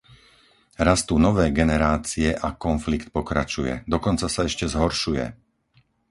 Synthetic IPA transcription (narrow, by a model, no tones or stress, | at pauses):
ɾast̪unɔʋɛːɡɛnɛɾaːt͡siɛʔakɔnflikt̪̚pɔkɾa̰t͡ʃujɛ̰d̪ɔkɔnt͡sasaɛʃcɛzɦɔɾʃujɛ̰